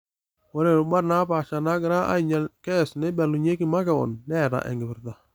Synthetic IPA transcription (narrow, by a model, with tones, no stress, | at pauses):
wo˦ɾe˨ɾʊ˨ba˦ɾna˦pa˨ʃa˨na˦kɪ˨ɾa˦ʔa̰˦i˨ɲa˨kɛ˦˨sne˦ba˨lu˨ɲe˦ki˨ma˦kɛ˨wɔ̰˨nːɛ˦˨ɾa̰˨ʔɛ̰˨ŋɡɪ˨bɪ˨ɾta˨